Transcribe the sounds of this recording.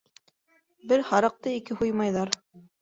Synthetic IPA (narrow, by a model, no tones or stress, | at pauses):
bɘɾhɑɾɤ̆q̚t̪ɤikɘɦujmɑjðɑɾ